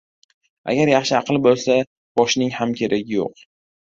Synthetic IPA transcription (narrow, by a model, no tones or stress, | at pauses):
a̰ɡʲaɾjɑχʃɪɑqlˠɪbolˠsa | b̥ɒʃnɪŋhamkʲʰe̞ɾʔaɡʲɪjo̰q